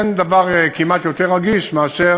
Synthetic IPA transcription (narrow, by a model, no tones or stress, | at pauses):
nd̪avaʁekimat̪jo̞t̪eʁːaɡiʃmeaʃe